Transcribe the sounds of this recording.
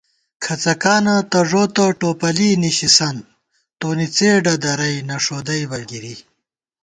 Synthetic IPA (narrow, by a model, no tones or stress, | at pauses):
kʰɐt͡sɐkaːnɐt̪ɐʐoːt̪ɐʈoːpɐliniɕisɐn | t̪oːnit͡seːɖɐd̪ɐɾɐjnɐʂoːd̪ɐjbɐɡiɾi